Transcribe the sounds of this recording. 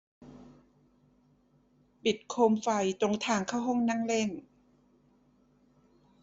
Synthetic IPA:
pi˨˩t̪̚kʰoː˧mfa˧jt͡ɕo˧ŋt̪ʰaː˧ŋkʰa˥˩wɦɔ˥˩ŋna˥˩ŋle˥˩n

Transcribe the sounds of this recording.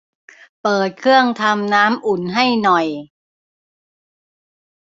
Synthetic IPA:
pɤː˨˩t̪̚kʰɯ˥˩əŋt̪ʰa˧mnaː˦˥mʔu˨˩nɦa˥˩jnɔ˨˩j

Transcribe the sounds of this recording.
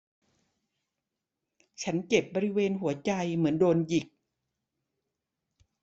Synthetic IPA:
t͡ɕʰa˦˥nt͡ɕe˨˩p̚bɔː˧ɾi˦˥weː˧nɦu˩˦ɐt͡ɕa˧jmɯ˩˦əndoː˧nji˨˩k̚

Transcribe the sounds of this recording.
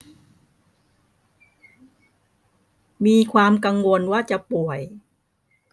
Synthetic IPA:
miː˧kʰwaː˧mka˧ŋwo˧nwaː˥˩t͡ɕa˨˩pu˨˩əj

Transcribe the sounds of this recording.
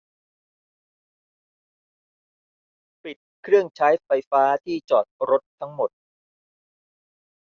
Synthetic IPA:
pi˨˩t̪̚kʰɾɯ˥˩əŋt͡ɕʰaː˦˥jfa˧jfaː˦˥t̪ʰiː˥˩t͡ɕɔː˨˩t̪̚ɾo˦˥t̪ʰːa˦˥ŋmo˨˩t̪̚

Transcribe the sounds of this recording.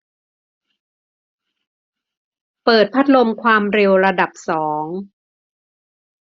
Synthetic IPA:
pɤː˨˩t̪̚pʰa˦˥t̪̚lo˧mkʰwaː˧mɾe˧wɾa˧da˨˩p̚sɔː˩˦ŋ

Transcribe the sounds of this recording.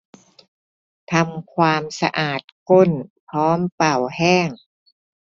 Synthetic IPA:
t̪ʰa˧mkʰwaː˧msa̰˧ʔaː˨˩t̪̚ko˥˩npʰɔː˦˥mpa˨˩whɛː˥˩ŋ

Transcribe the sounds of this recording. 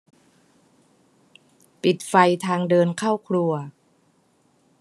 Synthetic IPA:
pi˨˩t̪̚fa˧jt̪ʰaː˧ŋdɤː˧nkʰaː˥˩wkʰlu˧ɐ

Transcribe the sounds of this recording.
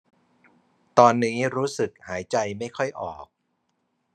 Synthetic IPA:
t̪ɔː˧nːiː˦˥ɾuː˦˥sɯ˨˩k̚haː˩˦jt͡ɕa˧jma˥˩jkʰɔ˥˩jʔɔ̰ː˨˩k̚

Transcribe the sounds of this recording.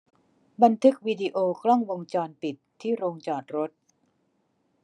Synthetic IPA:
ba˧nt̪ʰɯ˦˥k̚wiː˧di˧ʔoː˧kʰlɔ˥˩ŋwo˧ŋt͡ɕɔː˧npi˨˩t̪ʰːiː˥˩ɾoː˧ŋt͡ɕɔː˨˩t̪̚ɾo˦˥t̪̚

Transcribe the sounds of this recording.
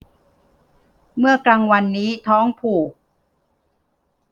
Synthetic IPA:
mɯ˥˩ɐkɾaː˧ŋwa˧nːiː˦˥t̪ʰɔː˦˥ŋpʰuː˨˩

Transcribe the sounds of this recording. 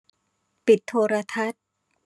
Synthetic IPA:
pi˨˩t̪ʰːoː˧ɾaː˧t̪ʰa˦˥t̪̚

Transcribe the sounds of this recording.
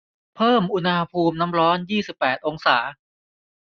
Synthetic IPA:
pʰɤː˥˩mʔu˧na˧pʰuː˧mna˦˥mɾɔː˦˥njiː˥˩si˨˩pːɛː˨˩t̪̚ʔo˧ŋsaː˩˦

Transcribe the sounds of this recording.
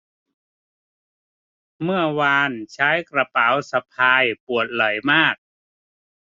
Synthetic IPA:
mɯ˥˩ɐwaː˧nt͡ɕʰaː˦˥jkɾa˧pa˩˦wsa˧pʰaː˧jpu˨˩ət̪̚lɔ˨˩˦jmaː˥˩k̚

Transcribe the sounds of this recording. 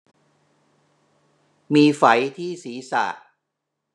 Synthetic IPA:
miː˧fa˩˦jt̪ʰiː˥˩siː˩˦sa̰ː˨˩t̚

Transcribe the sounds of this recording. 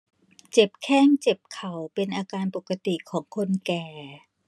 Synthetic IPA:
t͡ɕe˨˩p̚kʰɛː˥˩ŋt͡ɕe˨˩p̚kʰa˨˩wpe˧nʔaː˧kaː˧npo˨˩ka˧t̪i˨˩kʰɔː˩˦ŋkʰo˧nkɛː˨˩

